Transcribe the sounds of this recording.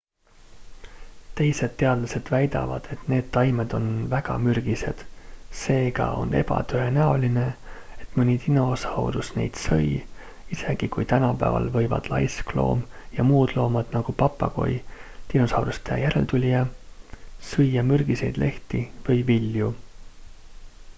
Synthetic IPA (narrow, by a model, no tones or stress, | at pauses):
t̪e̞jse̞d̪̥t̪ːe̞ɑd̪̥lɑse̞d̪̥væjd̪̥ɑ̰vɑd̪̥e̞t̪ne̞ːd̪̥t̪ɑjmed̪̥o̞nvæɡ̥ɑmyrɡ̥ise̞̰d̪̥se̞ːɡɑ̰o̞̰ne̞̰bɑ̰t̪øenæo̞line̞ | et̪ːˑmɯnʲit̪ino̞sɑwɾusne̞̰jd̪̥sɤ̰j | ise̞ɡ̥ikujt̪ænɑpæ̰vɑ̰lvɤ̞jvɑ̰d̪̥lɑjsklo̰ːmjɑmuːd̪̥lo̞ːmɑd̪̥nɑɡ̥upɑpˑːɑko̞̰jt̪ino̞sɑwɾust̪ejæɾe̞̰lt̪ulʲijɑ | sɤjːɑmyrɡ̥ise̞̰jd̪lʔe̞ht̪ivɤjvilju